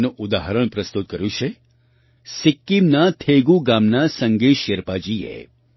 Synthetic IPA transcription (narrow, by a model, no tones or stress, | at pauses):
nuʔʊd̪aɦəɾəɽ̃pɾəst̪ut̪̚kəɾjũt͡ʃʰe | sɪkːimnat̪ʰeɡuɡamnasəŋɡiʃeɾpad͡ʒiḛ